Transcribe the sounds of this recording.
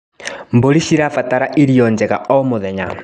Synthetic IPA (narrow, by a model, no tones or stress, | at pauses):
mboɾiʃiɾafataɾaʔiɾijɔɲd͡ʒɛɣa̰ɔmoðɛɲa